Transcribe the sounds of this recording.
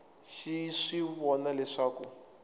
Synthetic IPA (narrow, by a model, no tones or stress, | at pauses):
ʃiʂiβɔnalɛʂaːku